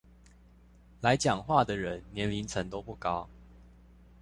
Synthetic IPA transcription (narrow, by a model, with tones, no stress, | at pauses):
la˨˦ɪt͡ɕjɑ˨˩ŋxwa˥˩d̪ə˨ɻə˨˦nːjɛ˨˦nli˨˦nt͡sʰə˨˦nt̪o˥˦ʊpu˥˩kɑ˦ʊ